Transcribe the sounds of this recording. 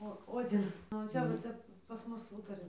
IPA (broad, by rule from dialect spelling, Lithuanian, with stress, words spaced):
oː ˈoːd͡zʲɪnɐs nʊ ʋɐ ˈt͡ʃʲɛ ʋɐ ˈtʲɛp pɐs ˈmʊs ˈuːtɐrʲɪ